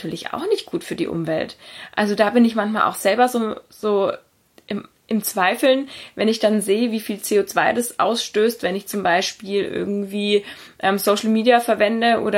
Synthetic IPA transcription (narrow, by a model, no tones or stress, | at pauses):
tyːɐlɪçʔa̰ʊxnɪçt̚ɡ̥uːtfyːɐdḭːʔʊ̰mvɛ̰ltʔa̰lzodaːbɪnɪçmançmaːlʔa̰ʊxz̥ɛlbɐzoːz̥oː | ʔɪm | ʔɪmt͡sv̥aɪfl̩nvɛnɪçd̥anzeːəviːfiːlt͡seːoːt͡sv̥aɪdasʔa̰ʊsʃtøːstvɛnɪçt͡sʊmbaɪʃpiːlʔɪ̰ɐɡŋ̩tv̥iː | ʔɛːmsoʊʃl̩miːdiafɛɐvɛndəʔo̰ːɾɐ